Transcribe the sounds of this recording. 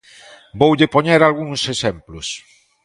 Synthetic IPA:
bowʎɪpoɲeɾalɣuŋsesemplʊs

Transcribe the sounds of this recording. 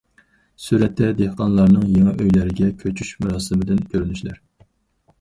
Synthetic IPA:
syɾɛt̪ʰːɛd̪ehqɑnlˠɑɾnɨŋjeŋɛʔøjlæɾɪɡʲɛkʲʰøt͡ʃʰyʃmuɾɑːsɨmɪd̪ɪnkʲʰøɾynyʃlæɾ

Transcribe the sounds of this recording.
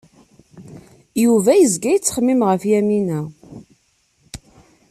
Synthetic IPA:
juvæjəzɡæjt͡sːə̥χmːimʁəfjæminæ

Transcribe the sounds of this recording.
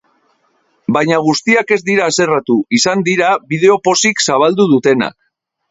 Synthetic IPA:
bajɲaɣ̞ust̪iake̞zd̪iɾaːse̞rat̪uisand̪iɾaβið̞e̞o̞po̞siksaβ̞ald̪uð̞ut̪e̞na̰k̚

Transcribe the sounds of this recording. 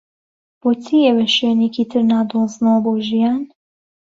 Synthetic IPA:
b̥oːt͡sʰiːewɛʃenekit̪ʰɨɾnaːd̪oːznɐwɐboːʒijaːn

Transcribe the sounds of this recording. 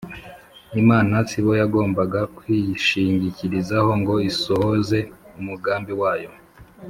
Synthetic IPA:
imaːnatiβo̞jaɡo̞ːmbaɡakwiːʃiːɲɟiciɾizaho̞ŋɡo̞isoho̞ze̞umuɡaːmbiwaːjo̞

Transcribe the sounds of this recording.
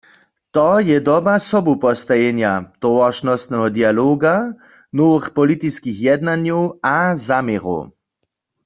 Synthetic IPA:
t̪ɔjɛd̪ɔbasɔbupɔst̪ajɛnjat̪ɔʋaʃnɔst̪nɛɦɔd̪ialoːɡa | noʋəxpɔlit̪iskixjɛd̪nanjowazameʁo̰w

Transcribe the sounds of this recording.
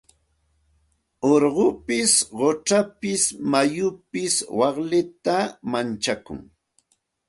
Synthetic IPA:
oɾɢʊpɪsɢoʈ͡ʂapɪsmajʊpɪswɑχlɪt̪amant͡ʃakʊ̰ŋ

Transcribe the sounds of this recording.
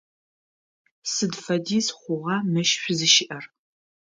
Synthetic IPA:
sɨdfɐdiːsχʷʊʁɑmɨʃɕʷʊzɨʃɪʔɐr

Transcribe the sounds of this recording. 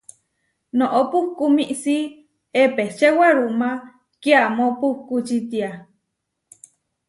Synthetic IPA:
nõʔopuhkumiʔsi | epet͡ʃewaɾuma | keamopuhkut͡ʃit̪ia

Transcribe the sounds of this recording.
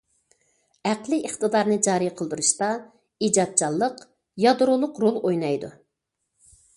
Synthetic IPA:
æqlˠɨʔəχt̪ɨd̪ɑɾnɨd͡ʒɑːɾijqʰəlˠd̪uɾuʃt̪ɑ | id͡ʒɑt̪̚t͡ʃʰɑlˠːəq | jɑd̪ɾʊlˠʊqɾolˠojnɑjd̪ṵ

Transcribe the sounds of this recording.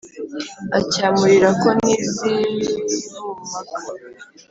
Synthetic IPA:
acaːmuɾiɾako̞niːzilinumaka

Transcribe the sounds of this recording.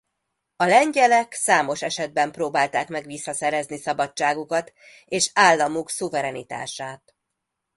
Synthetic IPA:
ɒlɛɲɟɛlɛksaːmo̞ʃɛʃɛd̪̚bɛmproːbaːlt̪aːkmɛɡʋisːɒsɛɾɛznisɒbɒt͡ʃːaːɡukɒt̪ | eːʃaːlːɒmuksuvɛɾɛnḭt̪a̰ːʃaːt̪

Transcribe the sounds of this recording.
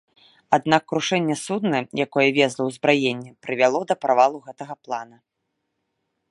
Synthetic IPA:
ad̪nakːɾuʂɛnʲːɛsud̪nɐjjakɔjɛvʲɛzlˠɐwzbɾajenʲːɛpɾɨvʲalˠɔd̪ɐpɾavalˠuɣɛt̪ɐɣɐplˠanɐ

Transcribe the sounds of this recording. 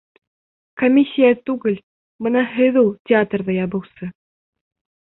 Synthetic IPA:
komʲisʲːijat̪ʉɡɘlʲ | mɤnɑɦɘðulˠtʲɪat̪rðɑjɑbɤ̆wsɤ

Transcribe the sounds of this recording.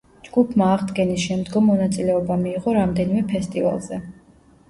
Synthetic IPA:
d͡ʒɡupʰmaːʁd̪ɡɛnisʃɛmd̪ɡɔmːɔnat̪sʼilɛɔbamiːʁɔɾamd̪ɛnimɛpʰɛst̪ʼiva̰lˠzɛ

